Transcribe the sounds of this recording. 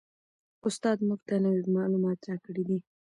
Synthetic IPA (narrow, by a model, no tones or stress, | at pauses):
ʊst̪ɑd̪muɡ̚t̪anawimɑlumɑt̪ɾɑkəɽid̪i